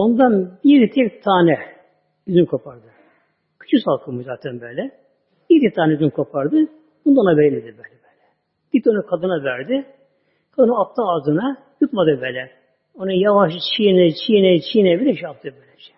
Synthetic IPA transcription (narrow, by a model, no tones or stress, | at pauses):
o̞nd̪anbiɾt̪ʰɛkt̪ʰaːnɛ | yzynkʰo̞pʰaɾd̪ɯ | kʰy̥t͡ʃʰysalˠkʰɯmuzaːt̪ʰɛnbɛlʲɛ | bit̪ɛt̪ʰaːnɛyzynkʰo̞pʰaɾd̪ɯ | bund̪aonabɛjilːʲed̪ibɛːlʲɛbɛːlʲɛ | ɟ̥id̪ionakʰad̪ɯnavæɾd̪ɪ | kʰad̪ɯnaːp̚t̪ʰaazɯna | jut̪mad̪ɯbɛːlʲɛ | onajavaʃt͡ʃʰijnɛt͡ʃʰijnɛt͡ʃʰijnɛbilʲɛʃap̚t̪ʰɯbɛlʲɛʃɛ̥